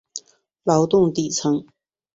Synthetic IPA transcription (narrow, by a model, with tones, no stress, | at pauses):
lɐ˨˧wt̪ʊ˥ŋt̪iː˨t͡sʰɐ˨ŋ